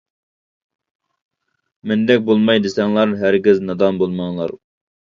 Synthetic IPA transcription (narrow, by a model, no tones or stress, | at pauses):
mɛnd̪ɛk̚ʲbolˠmɑjd̪ɨsɛŋlˠɑɾɦæɾɡʲiznɑd̪ɑnbolˠmɑŋlˠɑ̰ɾ